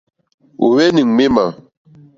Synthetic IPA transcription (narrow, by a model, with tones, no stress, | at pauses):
o̰˨wɛ˦ni˨ŋ˨me˦ma˨